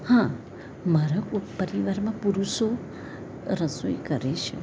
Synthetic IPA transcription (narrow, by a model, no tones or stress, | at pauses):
hã | məɾakpəɾiʋaɾmãpuɾuʃo | ɾəsuikəɾeʃʰḛ